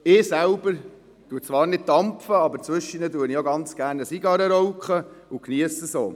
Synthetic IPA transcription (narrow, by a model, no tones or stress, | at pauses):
ɪːsælb̥əɾ | tuːət͡sʋɑːɾnɪd̚d̥ɑmpfəɑbəɾt͡sʋʏʃːinəduənioɡɑnt͡sɡ̥æːrnəsiɡɑɾəɾɔwkχəukniəsəso̰ː